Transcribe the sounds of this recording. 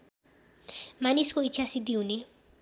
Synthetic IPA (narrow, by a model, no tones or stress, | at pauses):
maniskoitt͡ʃʰjasid̪iwne